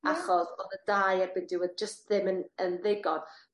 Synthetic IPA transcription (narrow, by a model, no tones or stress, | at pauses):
aχɔsoðədaːjɛbɪndɪwɛðd͡ʒəst̚ðɪmənənðɪɡɔd̥